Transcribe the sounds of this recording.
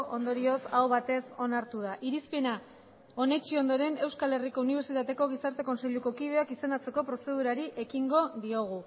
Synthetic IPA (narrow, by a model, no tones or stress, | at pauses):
ʔo̞nd̪o̞ɾio̞saoβat̪e̞so̞naɾt̪uð̞aʔiɾispena | o̞ne̞t͡ʃio̞nd̪o̞ɾe̞ne̞wskale̞riko̞uniβ̞eɾt͡ʃit̪at̪e̞ko̞ɣ̞isaɾt̪e̞ko̞nse̞ʎuko̞kið̞e̞akisenat͡se̞ko̞pɾo̞se̞ð̞uɾaɾiʔe̞kiŋɡo̞ðio̞ɣ̞u